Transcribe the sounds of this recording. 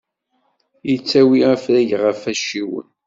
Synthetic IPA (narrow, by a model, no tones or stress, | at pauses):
jət͡sːæwiəfɾæʝʁəfæʃiwə̰n